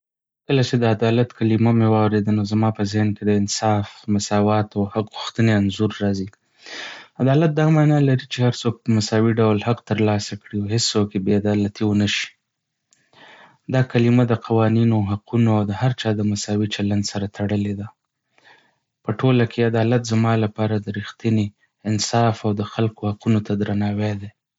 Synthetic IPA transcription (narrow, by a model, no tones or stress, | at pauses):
kəlat͡ʃed̪əad̪ɑlat̪kalimamewɑwɾed̪ənozamɑpəzɪhnked̪əɪnsɑfmasɑwɑt̪awhaqɣuxt̪əneanzuɾːɑzi | ad̪ɑlat̪̚d̪ɑmɑnɑlaɾit͡ʃehaɾt͡sok̚pəmasɑwiɖawlhaqt̪əɾlɑsakɽiawɦest͡sokjebead̪ɑlat̪iwənaʃi̥ | d̪ɑkalimad̪əqawɑninoɦaqunoawd̪əhaɾt͡ʃɑd̪əmasɑwit͡ʃaland̪saɾat̪ʰaɽəled̪a | pəʈʰolakʰead̪ɑlat̪zamɑlapɑɾad̪əɾixt̪ine | ɪnsɑfawd̪əxalkohaqunot̪ʰad̪ɾanɑwed̪e